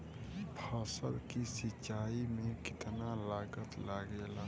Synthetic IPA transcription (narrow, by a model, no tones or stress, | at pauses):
pʰaːsəlkisɪt͡ʃaːimẽkɪt̪nalaːɡət̪laːɡela